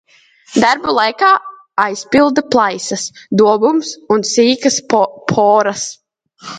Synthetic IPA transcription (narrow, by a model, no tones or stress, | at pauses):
d̪aɾbulˠajkaː | ajspilˠd̪ɐplˠajsɐsd̪uɔbumsunsiːkɐspʰɔːɾɐs